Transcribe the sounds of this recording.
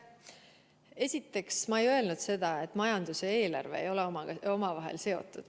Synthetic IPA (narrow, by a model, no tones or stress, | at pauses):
e̞sʲit̪ːˑe̞ksmɑe̞jø̞e̞lnud̪̥se̞d̪̥ɑe̞t̪ːˑmɑjɑnd̪̥usee̞ːlɑrve̞̰ejo̞leɑɡ̥o̞mɑvɑɦḛlse̞o̞̰t̪ːˑud̪̥